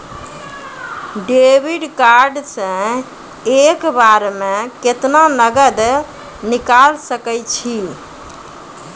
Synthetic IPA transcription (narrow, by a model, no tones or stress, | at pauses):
ɖebiɖkaɾɖsẽ | ekbaɾmeket̪nanəɡəd̪ | nikalsəkəjt͡ʃʰi